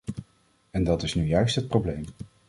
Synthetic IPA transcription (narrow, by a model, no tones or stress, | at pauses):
ɛndɑtɪsnyjœɥstɦət̚prowblejm